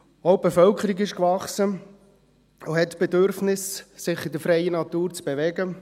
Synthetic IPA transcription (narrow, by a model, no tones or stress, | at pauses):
ob̥efœlkʰəɾiɡɪʃkvɑχsə | ʊhɛtb̥ed̪øɾfnɪssɪχid̪əɾfɾɛɪənɑt̪uːɾt͡sb̥evɛɡə